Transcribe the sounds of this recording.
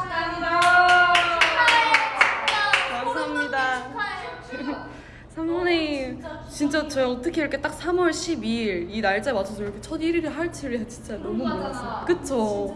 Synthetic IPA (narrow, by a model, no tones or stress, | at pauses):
kamsaɦamɲida | sʰamʌne | t͡ɕint͡ɕ͈at͡ɕʌjʌt͈ʌkʰeiɾʌkʰet͈ak̚sʰamwʌɭɕʰibiɭinaɭt͡ɕ͈aemwat͡ɕʰʌs̬ʰʌɭkʰet͡ɕʰʌdiɾɯɾɯɦaɭt͡ɕʰiɾesʰʌt͡ɕint͡ɕ͈anʌmumonas͈ɯmk͈ɯt͡ɕʰo